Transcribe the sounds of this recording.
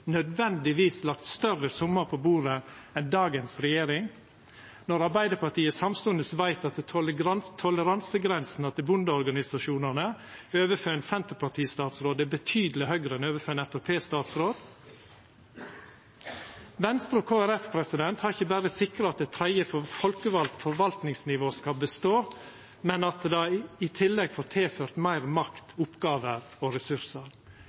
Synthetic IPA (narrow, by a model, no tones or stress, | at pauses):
nœd̪ʋɛnd̪ɪʋiːslɑkt̪st̪œrəsʊmːəpʰobuːɾə | ɛnd̪ɑːɡənsɾɛjeːɾɪŋ | nɔɾɑɾbæɪd̪əpɑʈiːəsɑmst̪ʉənd̪əsʋæɪt̪ɑt̪̚ɛɡ̪t̪ʰɔləɾɑnsəɡɾɛnsn̩ɑt̪ɛbʊnd̪əɔɾɡɑnɪsɑʃuːnənəøːʋəføːɾɛnsɛnt̪əɾpʰɑʈʰiːst̪ɑːt̪sɾoːd̪æbət̪ʰyːd̪lɪhœɡɾəɛnøːʋəføːɛnɛfɛpʰeːst̪ɑːt̪sɾoːd̪̥ | ʋɛnst̪ɾoːkʰoːæɾɛfpʰɾɛsɪd̪ɛnt̪hɑɾɪçəbæɾəsɪkɾəɑt̪̚d̪ɛt̪ʰɾæɪəfɔfɔlkəʋɑlt̪fɔɾʋɑlt̪nɪŋsnɪʋoːskɑlbəst̪oː | mɛnɑt̪d̪ɑɪt̪ʰɪlːɛɡfoːɾt̪ʰeːføːɾt̪mæɪɾmɑkt̪ʊpɡɑːʋəɾ | oɾɛsʉɾsəɾ